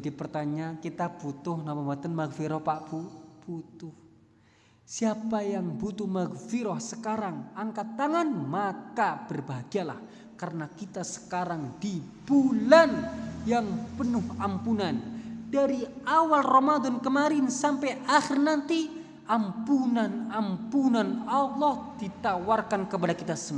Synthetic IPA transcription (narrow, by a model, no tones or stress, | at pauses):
d͡ʒadipərt̪aɲakit̪ab̥ut̪ʊhnamambat̪ənmaɡfiɾɔhpaʔpub̥ut̪ʊh | siapajaŋbut̪ʊhmaɡfiɾɔhsəkaɾaŋaŋkat̪ːaŋanmakab̥ərbaɡ̥ala̰h | karənakit̪asə̥kaɾaŋdib̥ulanjaŋpənʊhampunandaɾiawalrɔmad̪ɔnkəmaɾɪnsampajaxɪrnant̪i | ʔampunanampunanalːɔhdit̪awarkankəp̬adakit̪asəm